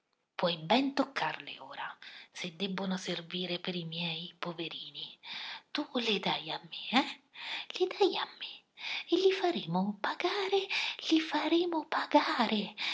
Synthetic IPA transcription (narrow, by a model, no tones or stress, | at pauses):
pʰwɔjbɛnt̪okʰːarlɪ̰oːɾasɪd̪ːɛbːʊnʊserviːɾɪpɪɾimjɛjpoveɾiːnit̪ulɪd̪ajamːɪɛlɪd̪ajamːɪ | ɪlifaɾeːmʊpaɡaːɾɪlifaɾeːmʊpaɡaːɾʔɪ